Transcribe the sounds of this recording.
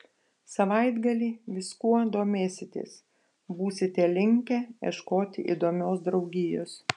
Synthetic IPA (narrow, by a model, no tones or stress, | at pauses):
sɐʋɐɪd̪ɡɐlʲiːʋʲɪskuɔd̪oːmʲeːsʲɪt̪ʲḛːs | buːsʲɪt̪ʲɛlʲɪŋʲkʲɛḭɛʃkoːt̪ʲɪ̰ʔḭːd̪oːmʲoːsd̪ɾɒʊɡʲɪjo̰ːs